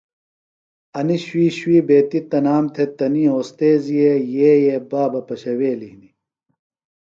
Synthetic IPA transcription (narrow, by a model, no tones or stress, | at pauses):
ɐniɕwiːɕwiːbeːt̪it̪ɐnaːmt̪ʰet̪ɐniːoːst̪eːzijejeːjebaːbɐpɐɕɐweːlihni